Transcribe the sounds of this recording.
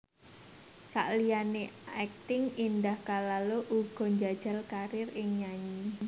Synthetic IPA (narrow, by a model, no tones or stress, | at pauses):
sa̰ʔlijaneɛk̚t̪ɪŋindahkalaloʔuɡ̥ɔ̤ɲd͡ʒad̥ʒ̥a̤lkaɾɪrɪŋɲaɲi